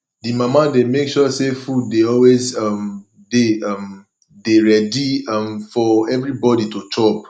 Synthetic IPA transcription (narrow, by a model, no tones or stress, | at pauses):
dimamademekʃɔsefud̚deɔlwezʌ̃m | deʌ̃m | deɹɛdiãmfɔɛvɹibɔditut͡ʃɔp̚